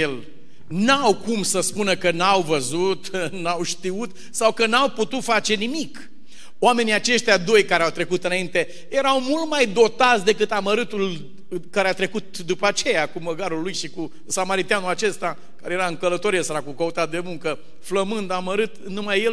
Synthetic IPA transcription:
el | nawkumsəspunəkənawvəzut̪nawʃt̪iut̪ | sawkənawput̪ut̪fat͡ʃe̞nimik | oame̞niat͡ʃe̞ʃt̪ʲjad̪o̞jkaɾeawt̪ɾe̞kut̪ɨnaint̪e̞ | je̞ɾawmult̪majd̪o̞t̪at̪sd̪e̞kɨt̪aməɾɨt̪ul | kaɾeat̪ɾe̞kut̪d̪upəat͡ʃe̞jakuməɡaɾulːujʃiku | samaɾit̪ianuat͡ʃe̞st̪a | kaɾejeɾaɨŋkələt̪o̞ɾijesəɾakukəut̪ad̪e̞muŋkə | fləmɨnd̪aməɾɨt̪numajːe

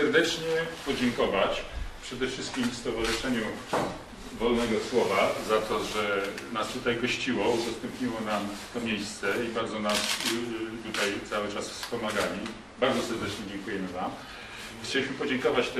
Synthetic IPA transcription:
ɛɾd̪ɛt͡ʂɲɛpɔd͡ʑɛŋkɔvat͡ɕpʂɛd̪ɛfʂɘst̪̚kʲimfst̪ɔvaʐɨʂɛɲu | vɔlnɛɡɔswɔvazat̪ɔʐɛnast̪ut̪ajɡɔɕt͡ɕiwɔud̪ɔst̪ɛmpɲiwɔnamt̪ɔmʲjejst̪sɛibaɾd̪zɔnast̪ut̪ajt̪sawɘt͡ʂasfspɔmaɡalʲi | baɾd̪zɔsɛɾd̪ɛt͡ʂɲɛd͡ʑɛŋkujɛmɘvam | xt͡ɕɛlʲiɕmɘpɔd͡ʑɛŋkɔvat͡ɕt̪

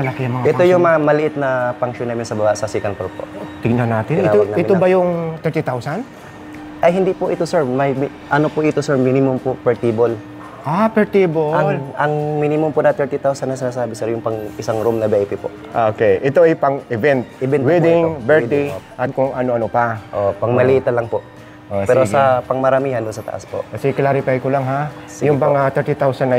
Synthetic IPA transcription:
mɐlɐkiɐmɐŋaʔɛt̪ojʊŋmɐŋamɐlɪʔɪt̪̚nɐpɐŋʃonaːmɪnsɐbɐbaʔsɐsikɐnkoɾpo̰t̪ɪɡ̚nɐnaːt̪ɪnɪaoɡ̪̚aɪtɪnobɐjʊŋt̪ɛɹt̪it̪awsɐn | ʔɐjɦɪnd̪ipoʔɪt̪osɛɹmɐjm | ʔɐnopoʔɪt̪osɛɹminɪmompopɛɹt̪ibol | ʔapɛɹt̪iboɐʔɐŋminɪmʊmpʊnɐt̪ɛɹt̪it̪awsɐnɐs̬ɪnaːsaːbɪsɛɾjʊŋpɐŋɪsaŋɾumnɐbɛʔɛpɪpo̰ʔʔokɛjʔɪt̪oʔɐjpɐŋɪvɛnt̪̚ɪbɛnwid̪ɪŋbɛɹt̪iʔɐkʊŋʔɐnoʔɐnopaʔopɐŋmɐlɪʔit̪ɐnlɐŋpoʔ | ʔopɛɾosɡɐpɐŋmɐɾɐmiːhɐnd̪ʊnsɐt̪ɐ̰ʔa̰spoʔkɐsɛklaɾɪfajkolaŋɦasjʊŋpɐŋat̪ɛɹt̪it̪awsɐnːɐ

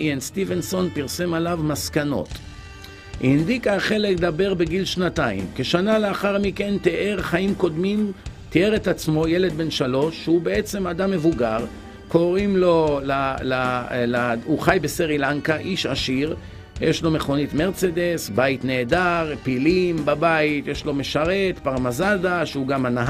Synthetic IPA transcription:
enst̪ivenso̞npiʁsemalavmaskano̞̰t̪ | ʔind̪ikaχe̞le̞kd̪abe̞ʁbeɡilʃnat̪aḭmke̞ʃanaleaχaʁmike̞nt̪eʔeʁχaimko̞d̪mimt̪ieʁet̪at͡smo̞jele̞d̪̚be̞nʃalo̞ʃːubee̞t͡se̞mad̪amːe̞vuɡaʁ | ko̞ʁimlo̞lalalauχajbesiʁilaŋkaʔiʃaʃiʁ | jeʃlo̞meχo̞nit̪me̞ʁt͡sed̪esbait̪ne̞ːd̪aʁpilimbabait̪jeʃlo̞meʃaʁe̞t̪paʁmazad̪aʃeuɡamanaɦ

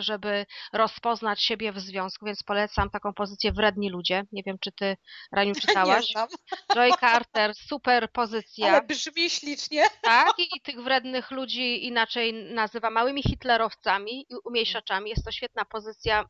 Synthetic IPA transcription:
ʐɛbɘɾɔspɔznat͡ɕɕebʲjɛvzvʲjɔ̃w̃skuvʲjɛnt̪spɔlɛt̪samt̪akɔ̃w̃pɔzɘt̪sʲjɛvɾɛd̪̚ɲilud͡ʑɛɲevʲjɛmt͡ʂɘt̪ɘɾaɲut͡ʂɘt̪awaɕʐɔjkaɾt̪ɛɾsupɛɾpɔzɘt̪sʲjaɛbʐmʲiɕlʲit͡ʂɲɛt̪akit̪ɘɣvɾɛd̪nɘxlud͡ʑiːnat͡ʂɛjnazɘvamawɘmʲixit̪lɛɾɔft̪samʲiiumʲjejʂat͡ʂamʲijɛst̪ːɔɕfʲjɛt̪̚napɔzɘt̪sʲja

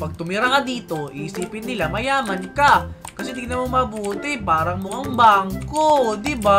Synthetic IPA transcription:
pɐɡ̚t̪ʊmɪɾakɐd̪iːt̪o̞ʔisiːpɪnːɪlamɐjaːmɐnkakɐsɛd̪ɪɡnɐmomɐbuːt̪ɪpaːɾɐŋmʊkaŋbaŋkod̪ɪba

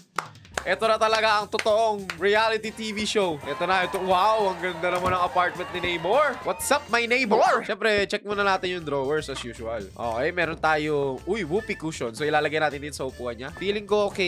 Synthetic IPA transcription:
ʔɛt̪onɐt̪ɐlɐɡaʔɐŋt̪ot̪oʔoŋɹijalɪt̪it̪iːviʃowʔɛːt̪onɐt̪owawɐŋɡɐnd̪anɐmanɐŋɐpaɹt̪̚mɛ̃nt̪nɪnejboɹwɐt̪sap̚mɐjnejboɹʃɛmpɾɛt͡ʃɛk̚monɐnaːt̪ɪnjʊŋd̪ɾowɛɹsɐsjuːʃʊɐlʔo̰ːʔkɛjmɛːɾont̪aːjoʔujwuːpikuʃonsoʔɪlaːlɐɡajnaːt̪ɪnd̪ɪnsɐʔʊpuːʔɐnɲafiːlɪŋkoʔokɛ

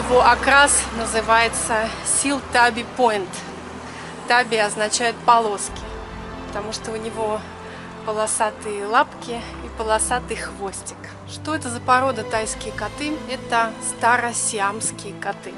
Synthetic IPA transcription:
jɪvoʔɐkɾasnəzɨvajɪt̪səsʲilˠt̪abʲɪpoɪnt̪ | t̪abʲɪɐznɐt͡ɕæjʊt̪pɐlˠo̞skʲɪ | pə̥t̪ɐmuʂt̪oʊnʲɪvo | pəlˠɐsat̪ɨjəlˠapkʲɪ | ipəlˠɐsat̪ɨxvosʲtʲɪ̥k | ʂt̪o̞ɛt̪əzəpɐɾo̞d̪ət̪ajskʲɪjəkat̪ɨɛt̪əst̪aɾəsʲɪamskʲɪjəkat̪ɨ

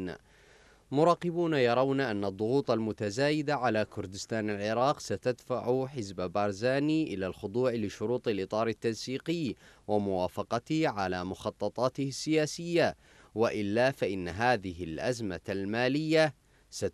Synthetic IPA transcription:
mʊɾˤɑːqɪbuːnajɑɾˤɑwnaʔanːad̪ˤːʊɣuːt̪ˤalmʊt̪azaːjɪd̪aʕalaːkʊɾd̪ɪst̪aːnalʕɪɾɑːqsat̪ad̪faʕʊħɪzbbaɾˤzaːniːʔɪlaːlxʊd̪ˤuːʕlɪʃʊɾuːt̪ˤɑlʔɨt̪ˤɑːɾˤɪt̪ːansiːqɪːwamʊwaːfɑqɑt̪ɪʕalaːmʊxɑt̪ˤːɑt̪ˤɑːt̪ɪhɪsːɪjaːsɪjːa | waʔɪlːaːfaʔɪnːaɦaːðɪɦɪlʔazmalmaːlɪjːa | sa

